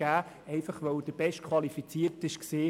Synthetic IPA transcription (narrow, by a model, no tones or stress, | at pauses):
æː | ɛɪfɑχʋœwd̥əb̥ɛʃtkʰχwʋɑlifit͡siːəɾtɪʃkseː